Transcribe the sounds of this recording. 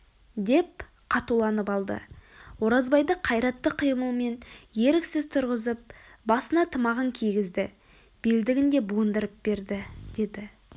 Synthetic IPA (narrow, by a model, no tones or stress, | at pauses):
d̪e̞p | qʰɑt̪ulˠɑnəpɑlˠd̪ə̰ | wo̞ɾɑzbɑjd̪əqʰɑjɾɑt̪ːəqʰəjməlˠme̞nje̞ɾɪksɪzt̪ʰʊɾʁəzəp̚bɑsənɑt̪ʰəmɑʁəŋkʲʰijɡʲɪzd̪ɪ | b̥eld̪ɪɡʲɪnd̪e̞buənd̪əɾəp̚b̥e̞ɾd̪ɪd̪̥e̞d̪ɪ